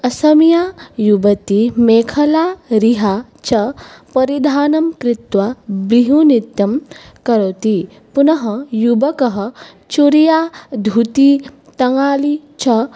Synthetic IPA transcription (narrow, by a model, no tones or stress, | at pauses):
ɐsɐmijajubɐt̪imeːkʰɐlaːɾiɦa | t͡ʃɐpɐɾid̪ʱaːnɐmkɾɪt̪ʋabɾiɦunit̪jɐm | kɐɾot̪i | punɐɦɐjubɐkɐɦɐ̆ | t͡ʃuɾijad̪ʱut̪i | t̪ɐŋaːlit͡ʃɐ